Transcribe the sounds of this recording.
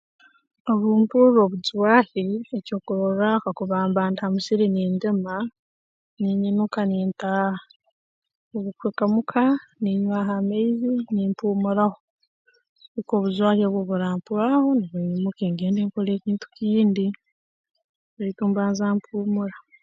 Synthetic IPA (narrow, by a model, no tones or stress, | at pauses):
oβuːmpuɾo̞βuzwaːhieco̞ːkuɾoɾakakuβaːmbaːntamusiɾiniːndema | niɲinukaniːnta | oβukweːkamukʰaniɲwaːɦameiziniːmpuːmuɾaho̞ | ɾiko̞ːβuzwaːɾeβwoβuɾaːmpuɾaho̞niβuɲumukeːŋɡeːndeːŋkole̞ːciːntu̥kiːndi | βuɾituːmbaːnzaːmpʰuːmuɾa